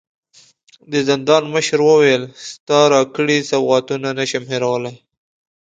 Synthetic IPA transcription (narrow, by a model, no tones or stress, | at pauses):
d̪əzɪnd̪ɑnməʃɾwəwelst̪ɑɾɑkəɽisabɣɑt̪unanaʃamheɾawəlaj